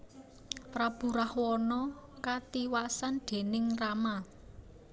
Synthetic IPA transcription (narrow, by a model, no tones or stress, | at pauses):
pɾab̥ṳɾahwɔnɔkat̪iwasanɖ̪̥e̤nɪŋrama